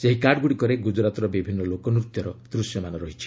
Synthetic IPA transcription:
seɦikaɖɡuɽikɔɾeɡud͡ʒɾat̪ɔɾɔbibʱinːɔlokɔnɾut̪jɔɾɔd̪̥ɾusjɔmanɔɾɔɦit͡ʃʰi̥

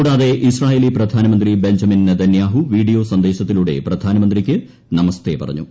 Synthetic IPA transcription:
uɽaːðe̞ʔisraːjeːliprɐd̪ʱaːnɐmɐnd̪ribe̞ɲd͡ʑɐminned̪ɐnjaːɦuʋiːɽijo̞ːsɐnd̪eːɕɐt̪ːiluɽe̞̰prɐd̪ʱaːnɐmɐnd̪rikʲːɨ | nɐmɐst̪epɐ̰rɐ̰ɲːṵ

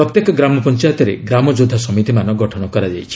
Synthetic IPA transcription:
ɾɔt̪jekɔɡɾamɔpɔnt͡ʃajɔt̪ɔɾḛɡɾamɔd͡ʒud̪ʱːasɔmit̪imanɔɡɔʈʰɔɽ̃ɔkɔɾad͡ʒajt͡ʃʰi̥

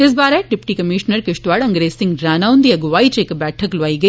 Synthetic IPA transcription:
ɪs̬baːɾeɖɪpʈikɐmiʃnəɾkɪʃʈʋaːɽɐ̃ŋɡɾeːsɪ̃ŋɡɾaːnaːʋʊ̃nd̪iɐɡʋaːit͡ʃeːkbɛːʈʰəklʋaːiɡɐi

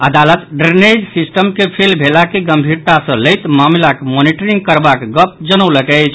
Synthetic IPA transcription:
əd̪alət̪ɖɾened͡ʒsisʈəmkepʰelbʱelakeɡəmbʱiɾt̪asə̃ləjt̪mamlakmoniʈəɾiŋɡkəɾbakɡəp̚d͡ʒənəwləkɛt͡ʃʰ

